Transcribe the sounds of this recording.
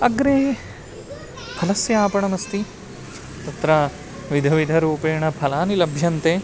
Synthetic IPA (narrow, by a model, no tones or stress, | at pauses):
ɐɡɾeː | pʰɐlɐsjɐaːpɐɳɐmɐst̪i | t̪ɐt̪ɾɐ | ʋid̪ʱɐʋid̪ʱɐɾuːpeːɳɐbʰʱɐlaːnilɐbʱjɐnt̪eː